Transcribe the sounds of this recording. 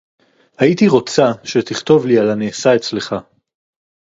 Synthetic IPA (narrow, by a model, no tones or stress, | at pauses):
hait̪iʁo̞t͡saʃe̞t̪iχt̪o̞vlialanesaet͡sle̞χa